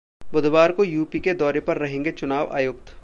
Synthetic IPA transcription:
bʊd̪ʋaːɾkojuːpiked̪ɔːɾepɐɾːɐɦẽːŋɡet͡ʃʊnaːʋa̰ːjʊk̚t̪

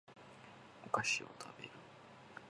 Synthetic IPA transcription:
okaɕio̰t̪ʰabe̞̰ɾɯ

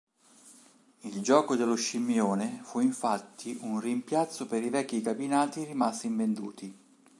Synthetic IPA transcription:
ild͡ʒɔːkod̪elːoʃːimːjoːnefuiɱfat̪ʰːiʔunrimpjat̪sːopeɾivɛkːikabinaːt̪irimast̪iɱvend̪uːt̪i

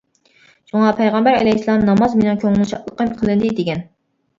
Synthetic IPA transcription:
ʃuŋɑpʰɛjʁɛmbæɾɛ̰lɛjslˠɑmnɑmɑzmenɪŋkʲʰøŋɪlʃɑʔlˠəqəmqʰəlˠɨnd̪ɪd̪eɡʲɛn

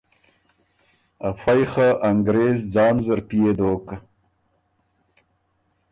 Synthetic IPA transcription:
afajχaʔaŋɡɾezd͡zɑːnzəɾpijed̪oːkə

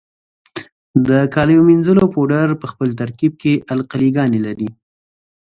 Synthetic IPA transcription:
d̪əkɑləjominzəlopoɖaɾpəxpəlt̪aɾkib̚keʔalqaliɡɑnelaɾi

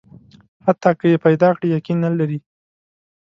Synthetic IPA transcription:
hat̪ːɑkəjepajd̪ɑkɽijakinːalaɾi

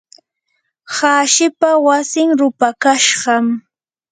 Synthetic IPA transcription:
haːʃɪpawasɪŋɾʊpakaʃɢɑm

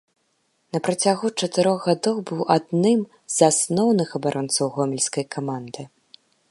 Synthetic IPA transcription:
nɐpɾat͡sʲaɣut͡ʂɐt̪ɨɾɔɣɣad̪ɔwbɨwʔad̪nɨm | zasnɔwnɨxɐbaɾʔɔnt̪sɐwɣɔmʲɛlʲskɐjkʰamand̪ɨ

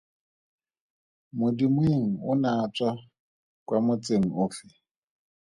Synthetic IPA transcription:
mʊdimweŋ̩ʊnat͡sʼwa | kʼwamʊt͡sʼeŋ̩ʊfɪ

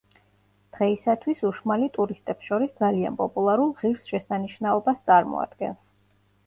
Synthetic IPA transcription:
d̪̥ʁɛisat̪ʰwisuʃmalit̪ʼuɾist̪ʼɛpsʃɔɾisd̪zalia̰npʼɔpʼulˠaɾulˠʁiɾsʃɛsaniʃnaɔbast̪sʼaɾmɔ̰a̰d̪̥ɡɛ̰ns

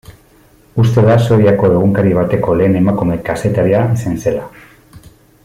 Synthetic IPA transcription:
ust̪e̞ðaso̞iako̞e̞ɣ̞uŋkaɾiβ̞at̪e̞ko̞le̞ːne̞makume̞kase̞t̪aɾiaisanse̞la

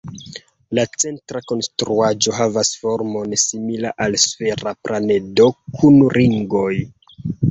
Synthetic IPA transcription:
lat͡se̞ntɾako̞nstɾuad͡ʒo̞ɦavasfo̞ɾmo̞nsimilaʔalsfe̞ɾaplane̞do̞kʰunɾiŋɡo̞j

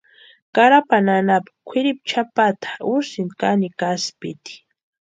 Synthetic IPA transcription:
kaɾapananapḁkʷʰɪɾip̚t͡ʃʰapat̪ʰḁusɪnd̪kanikaspit̪i̥

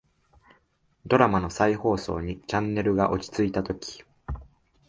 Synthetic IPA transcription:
d̪o̞ɾamano̞saiho̞ːso̞̰ːɲ̟it͡ɕãnːe̞ɾɯ̟ɡaʔo̞t͡ɕi̥t͡sɨit̪at̪o̞kʲi̥

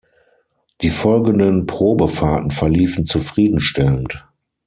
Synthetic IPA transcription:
d̥iːfɔlɡən̩dənpʁ̥oːbəfaːtn̩fɛɐliːfn̩t͡sufʁ̥iːdn̩ʃtɛlənt

